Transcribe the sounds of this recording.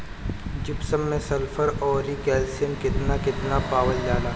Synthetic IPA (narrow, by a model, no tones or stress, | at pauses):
d͡ʒɪbsəmːẽsɐlfʰəɾɔːɾɾikɛːlsijəmkɪt̪nakɪt̪napaːwəld͡ʒaːlaː